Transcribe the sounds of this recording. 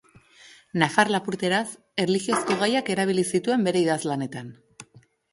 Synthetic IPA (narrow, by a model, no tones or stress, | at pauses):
nafarlapuɾt̪e̞ɾas | e̞rlixio̞sko̞ɣ̞ajake̞ɾaβ̞ilisit̪ue̞mbe̞ɾe̞iðazlane̞t̪an